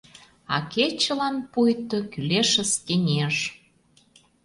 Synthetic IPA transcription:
ɑ̰ket͡ɕə̆lɑnpujt̪ə̆kyleʃə̆st̪enʲeʒ

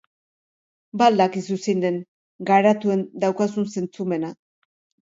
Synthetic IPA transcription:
bald̪akisusine̞ŋ | ɡaɾat̪ue̞nd̪awkas̬unse̞nt͡sume̞na

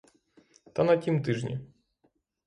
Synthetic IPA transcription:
t̪ɐnɐtʲimt̪ɪʒnʲḭ

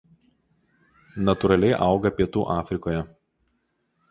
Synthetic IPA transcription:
nɐt̪ʊɾɐlʲɛɪʔɐˑʊɡɐpʲiɛt̪uːʔɑːfʲɾʲɪkoːjɛ

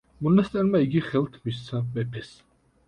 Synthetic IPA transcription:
mɔnast̪ʼɛɾmaiɡiχɛlt̪ʰmist̪sʰamɛpʰɛs

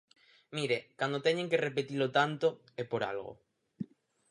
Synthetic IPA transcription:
miɾekand̪ot̪ɛɲẽŋkerepet̪ilot̪ant̪o | epoɾa̰lɣo̰

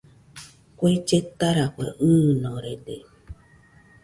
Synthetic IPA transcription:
kʷet͡ʃetaɾakʷḛʔ̩nɔɾedḛ

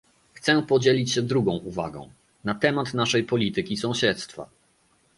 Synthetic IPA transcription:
xt̪sɛpɔd͡ʑelʲit͡ɕɕɛd̪ɾuɡɔ̃w̃uva̰ɡɔ̰̃w̃ | nat̪ɛmat̪naʂɛjpɔlʲit̪ɘkʲisɔ̃w̃ɕɛt̪st̪fa̰

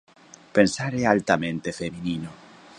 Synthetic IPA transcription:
pensaɾealt̪amẽnt̪efemĩnino

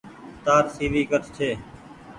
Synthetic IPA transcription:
t̪aːɾsiːʋiːkət̪t͡ʃʰeː

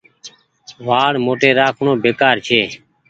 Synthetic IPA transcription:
ʋaːɽmoːʈeːɾaːkʰɳoːbeːkaːɾt͡ʃʰeː

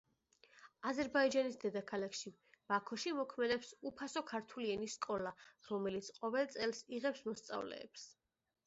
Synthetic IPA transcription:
azɛɾbaid͡ʒanisd̪ɛd̪akʰalakʰʃi | b̥akʰɔʃimɔkʰmɛd̪ɛpsupʰasɔkʰaɾt̪ʰuliɛniskʼɔlaɾɔmɛlit̪sʰqʼɔvɛlˠt̪sʼɛlˠsiʁɛpsmɔst̪sʼa̰vlɛ̰ːps

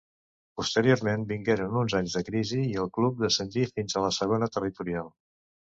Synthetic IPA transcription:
pust̪əɾioɾmembiŋɡeɾənunzaɲzðəkɾiziːəlˠklup̚d̪əsənt̪ifinzələsəɣ̞onət̪ərit̪uɾialˠ

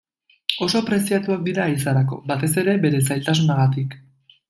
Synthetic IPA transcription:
o̞so̞pɾe̞siat̪uak̚d̪iɾaisaɾako̞̰bat̪e̞se̞ɾe̞be̞ɾe̞s̬ajlt̪as̬unaɣat̪ik

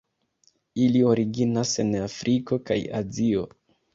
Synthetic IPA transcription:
ilio̞ɾiɡinase̞nafɾʔiko̞ka̰ja̰zio̞

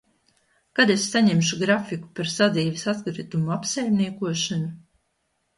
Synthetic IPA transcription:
kad̪esːaɲemʃuɡɾafiku̥paɾsad̪ziːvɛsat̪ɡɾɨt̪umuapsajmniɛkuɔʃanu

